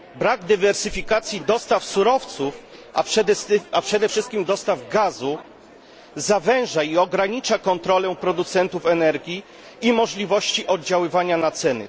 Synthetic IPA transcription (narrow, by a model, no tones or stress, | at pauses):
bɾaɡd̪ɘvɛɾsɘfʲikat̪sʲjid̪ɔst̪afsuɾɔft̪sufa̰pʂɛd̪ɛst̪apʂɛd̪ɛfʂɘst̪̚kʲimd̪ɔst̪avɡazu | zavɛ̃w̃ʐaiɔɡɾaɲit͡ʂakɔnt̪ɾɔlɛ̃pɾɔd̪ut̪sɛnt̪ufɛnɛɾɡʲiː | mɔʐlʲivɔɕt͡ɕiʔɔd̪d͡ʑawɘvaɲanat̪sɛnɘ̰